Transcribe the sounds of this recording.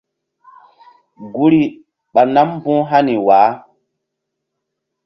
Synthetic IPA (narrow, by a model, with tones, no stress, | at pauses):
ɡu˦ɾi˨ | ɓa˨na˦m˦bũ˦ɦa˦ni˨waː˨˦